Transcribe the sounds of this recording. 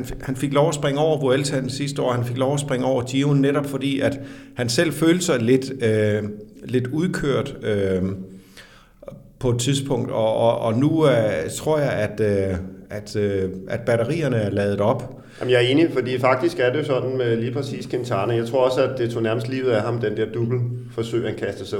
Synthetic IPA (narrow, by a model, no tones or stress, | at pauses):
nhænfe̝ɡ̥lɒʊæsb̥ʁeŋəɒʊ̰ɐʋoelsænsisd̥əɒ̰ːhænfe̝ɡ̥lɒʊæsb̥ʁeŋəɒʊ̰ɐd̥jiʊnːeɾɒ̽b̥fɒ̽d̥ḭːæd̥hænsel̰føːləsɑ̈ɪle̝d̥ø | le̝d̥uðˠkʰøɐ̰d̥ø | pʰɒ̽e̝d̥̚t͡sʰiðˠsb̥ʰɔ̽ŋ̰d̥ɒ̽ɒnut͡sʰʁo̝ɐ̰jɑ̈ɪæd̥øʔæd̥øʔæd̥̚b̥æɾɐʁḭːɐnəæɐlɛːð̩ˠd̩ˠɒ̽b̥ | jæmjɑ̈æɐe̝ːnifɒd̥ḭːfɑ̈ɡ̥̚d̥isɡ̥æɐde̝jo̝sɒ̽d̥n̩liːpʰʁɛsḭːskʰent͡sʰɑ̈ːnəjɑ̈ɪt͡sʰʁo̝ɐ̰ɒ̽səædd̥e̝t͡sʰo̝næɐməsd̥liːʊð̩ˠæhɑ̈md̥end̥eɐ̰d̥ub̥l̩fɒ̽sø̰ɪ̰hænkʰæsd̥əsa